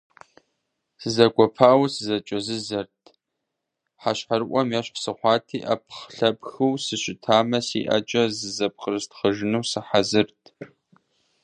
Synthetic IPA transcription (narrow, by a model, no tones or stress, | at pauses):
sɨzɐɡʷɔpʰaːwsɨzɐt͡ʃʼɐzɨzɐrtʰ | ħaɕħarɨʔʷɔmjɛɕħsɨχʷɑːtʰiːʔɐ̰p̚ʰχɬɐpxɨwsɨɕʷʼɪtʰaːmɐsḭːʔɐ̰t͡ʃʼɐzɨzɐp̚qərɨstχəʒɪnuwsɨħazɨrtʰ